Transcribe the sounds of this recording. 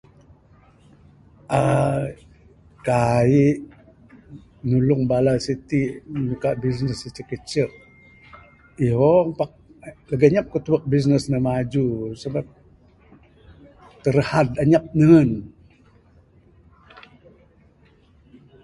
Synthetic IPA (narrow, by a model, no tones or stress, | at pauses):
ʔa | kaiʔ | nulʊŋbalasit̪inukaʔbis̬nəsət͡ʃəkət͡ʃəʔ | iɦompak̚ləɡaɲap̚kət̪uwək̚bis̬nəsnəmad͡ʒusabat̚ | t̪əɾəhadaɲap̚nəən